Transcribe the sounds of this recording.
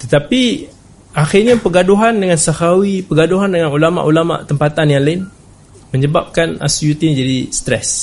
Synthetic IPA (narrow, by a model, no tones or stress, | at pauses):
t̪ət̪api | ʔaxɪrɲapəɡaduɦandəŋãnsahawipəɡaduɦandəŋanulama̰ʔulama̰ʔt̪əmpat̪anjaŋlaɪn | mə̃ɲəbap̚kana̰sjut̪ind͡ʒadist̪ɾɛ̰s